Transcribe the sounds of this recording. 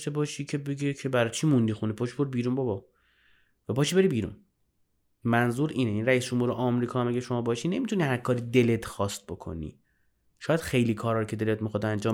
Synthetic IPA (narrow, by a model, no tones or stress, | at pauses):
t̪e̞bɒːʃiːcʰe̞beɡecʰebæɾɒt͡ʃʰiːmund̪ixunipʰoːʃi̥boɾbiːɾuːnbɒbɒ | væpɒːʃibe̞ɾiːbiːɾṵn | mænzuːɾiːneiːnɾæiːsd͡ʒomhuːɾeʔɒːmɾiːkʰːhæmæɡeʃomɒːbɒːʃine̞miːt̪ʰunihæɾkʰɒːɾiːd̪elet̪ʰxɒːst̪̚bo̞kʰo̞̰nḭ | ʃɒːjæd̪xejliːkʰɒːɾɒːɾcʰe̞d̪e̞let̪mixɒd̪ænd͡ʒɒːm